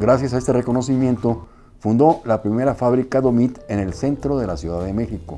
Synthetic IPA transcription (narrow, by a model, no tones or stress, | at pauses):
ɡɾasjas̬ae̞st̪e̞rekono̞simje̞nt̪o̞ | fund̪o̞lapɾime̞ɾafaβɾikaðomit̪enelse̞nt̪ɾoðe̞lasjuðaðeme̞xiko